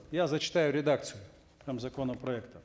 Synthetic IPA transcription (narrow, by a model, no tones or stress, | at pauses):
jazɐt͡ʃɪ̥t̪ajʊɾʲɪd̪ak̪sʲɨjʊ | pɾʲamzɐkɔnɐpɾɔɛkt̪ɐ